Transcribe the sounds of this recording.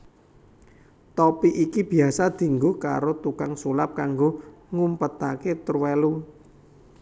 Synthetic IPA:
t̪ɔpiʔikib̥i̤asad̪̥i̤ŋɡʊhka̰ɾot̪ukaŋsulap̚kaŋɡoŋumpət̪aket̪əɾwelu

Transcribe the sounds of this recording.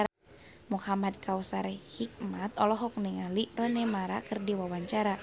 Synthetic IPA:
muhamad̚kawsaɾɛhik̚mat̪̚ɔlɔɦɔk̚nɛŋalirɔnɛmaɾa̰kɨrdiwawaɲt͡ʃaɾa

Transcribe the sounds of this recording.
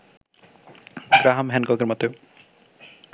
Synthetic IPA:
b̥ɾaɦamɦɛnkɔkeɾmɔt̪eo

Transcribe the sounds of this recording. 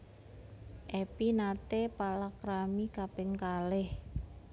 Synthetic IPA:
ʔepinat̪epalakɾamikapɪŋkalɪh

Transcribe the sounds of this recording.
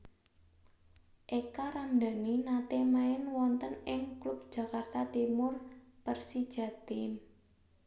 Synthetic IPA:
ʔekaɾamd̪a̤ninat̪emaɪnwɔnt̪ənɪŋklʊp̚d̥ʒ̥a̤kart̪at̪imʊrpərsid̥ʒ̥ä̤t̪ɪn

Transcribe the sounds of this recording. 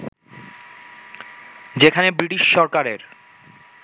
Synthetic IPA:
d͡ʑekʰanebɾiʈiʃːɔɾkaɾeɾ

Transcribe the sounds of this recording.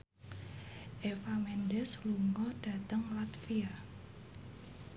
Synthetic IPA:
ʔefamɛndɛsluŋɡɔɖ̥a̤t̪əŋlat̪fia

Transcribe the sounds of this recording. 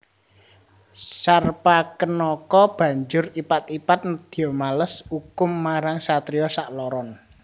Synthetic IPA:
sarpakənɔkɔb̥ä̤ɲd͡ʒʊripat̪̚ipat̪̚nəd̪̥i̤ɔmaləsukʊmːaɾaŋsat̪ɾijɔsaʔlɔɾɔn

